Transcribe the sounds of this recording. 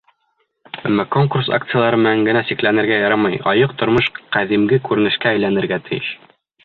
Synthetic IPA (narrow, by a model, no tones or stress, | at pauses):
æmːækoŋkursa̰kt̪sɨjalˠɑɾɤmɘ̆næŋɡɘ̆næsiklænɘ̆ɾɡæjɑɾɑmɑjɒ̰jɤq̚t̪ŏɾmɤʃqæðimɡɘkʉɾɘ̆nɘ̆ʃkæːjlænɘ̆ɾɡæt̪ɘ̆jɘ̰ʃ